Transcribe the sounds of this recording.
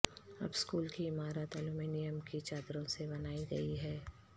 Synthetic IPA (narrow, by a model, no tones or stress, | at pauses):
ɐ̰bskuːlkiɪmaːɾət̪ɐlumiːnɪjəmkit͡ʃaːd̪ɾõsebɐnaːiɡɐ̰iɦɛː